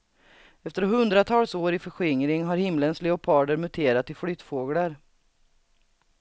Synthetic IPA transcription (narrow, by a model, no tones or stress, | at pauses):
ɛft̪əɾɦɵnd̪ɾat̪ʰɑːlsoːɾɪfœɧɪŋɾɪŋɦaɾhɪmlənslɛʊpʰɑːd̪əɾmɵt̪ʰeːɾat̪ʰːɪlflyːt̪foːɡlaɾ